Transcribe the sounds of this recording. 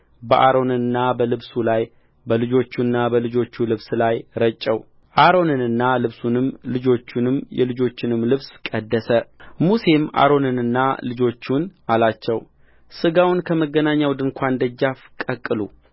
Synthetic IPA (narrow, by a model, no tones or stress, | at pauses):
bəʔaɾo̞nɨnːabəlɨβsulaj | bəlɨd͡ʒo̞t͡ʃːunːabəlɨd͡ʒo̞t͡ʃːulɨβslajɾət͡ʃʼːɛw | ʔaɾo̞nɨnɨnːalɨβsunɨmlɨd͡ʒo̞t͡ʃːunɨmjɛ̰lɨd͡ʒo̞t͡ʃːɪnɨmlɨβskʼəd̪ːəsəmuse̞mʔa̰ɾo̞nɨnɨnːa̰lɨd͡ʒo̞t͡ʃːunalat͡ʃːɛw | sɨɡawnkʰəməɡːənaɲːawd̪ɨŋkʷʰand̪əd͡ʒːafkʼəkʼːɨlṵ